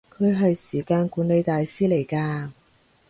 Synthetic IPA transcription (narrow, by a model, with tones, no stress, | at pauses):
kʰɵ˨˧ɥɦɐ˨jsiː˨˩kaː˧nkuː˨˥nle˨˧jt̪aː˨jsiː˥le˨˩jkaː˧